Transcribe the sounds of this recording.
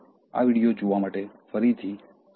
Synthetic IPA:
a̰ːʋiɽijod͡ʒoʋamaːʈe | fəɾit̪ʰiː

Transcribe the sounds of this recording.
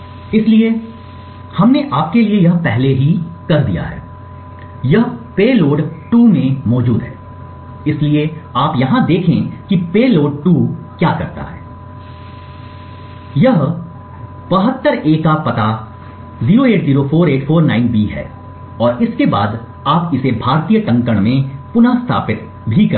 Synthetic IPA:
ɪslie | hɐmneʔaːp̚keliejɐɦpɛɦleɦikɐɾd̪ḭja̰ɦɛ̰ː | jɐɦpeːloːɖʈuːmẽmɔːd͡ʒuːd̪ɦɛ̰ː | ɪslieaːpjɐɦãd̪eːkʰẽkipeːloːɖ̚ʈuːkjaːkɐɾt̪a̰ɦɛ̰ː | jɐɦ | b̥ɐɦət̪ːəɾeːkapɐt̪a | ziːɾoeːʈziːɾopʰoːɾeːʈfʰoːɾna̰ːɪnbiːɦɛ̰ː | ɔːɾɪskeba̰ːd̪ | aːpɪsebʱaːɾt̪ijəʈɐ̃ŋkəɽ̃mẽpʊnast̪ʰa̰ːpɪt̪ | bʱikɐ

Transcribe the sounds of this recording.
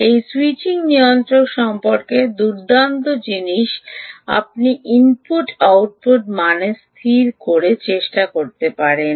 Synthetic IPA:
ejsuit͡ɕiŋnijont̪ɾokʃɔmpoɾked̪uɾɖant̪od͡ʑiniʃa̰p̚niʔimpuʈawʈ̚puʈmanest̪ʰiɾkoɾet͡ɕeʃʈakoɾt̪epaɾen

